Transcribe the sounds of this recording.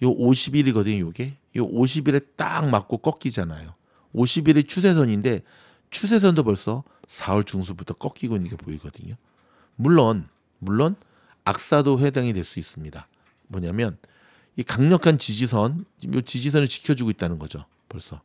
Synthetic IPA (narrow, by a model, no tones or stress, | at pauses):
joʔoɕʰibiɾiɡʌdɯɲojoɡe | joʔoɕ̬ʰibiɾe̞t͈a̰ŋmak͈̚ok͈ʌk͈id͡ʑanajo | oɕʰibiɾet͡ɕʰus̬ʰe̞s̬ʰʌɲinde̞ | t͡ɕʰus̬ʰe̞s̬ʰʌndopʌɭs͈ʌ | sʰaʌɭt͡ɕuŋsʰubutʰʌk͈ʌk͈iɡoinːɯnŋɡe̞poiɡʌdɯɲo | muɭːʌn | muɭːon | ak̚s͈adoɸwe̞daŋitwe̞ɭs͈uis͈ɯmɲida | mʌɲamjʌn | ikaŋɲʌkʰant͡ɕid͡ʑisʰʌnjot͡ɕid͡ʑisʰʌnɯɭt͡ɕi̥kʰjʌd͡ʑuɡoit̚t͈anɯnɡʌd͡ʑo̰ | pʌɭs͈ʌ